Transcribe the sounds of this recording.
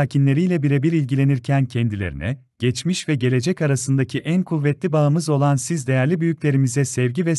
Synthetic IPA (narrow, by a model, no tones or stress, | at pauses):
aːcʰinlʲe̞ɾijlʲɛbiɾebiɾilʲɟilʲe̞niɾcʰæncʰɛnd̪ilʲḛɾḭnʔɛ̰ | ɟ̥ɛt͡ʃmiʃvɛɟe̞lʲe̞d͡ʒɛcaɾasɯnd̪acʰiʔænkʰuvːɛt̪lʲibaɯmɯzo̞lˠansizd̪e̞jæɾlʲibyjycʲlʲe̞ɾimizɛsɛvɟivɛ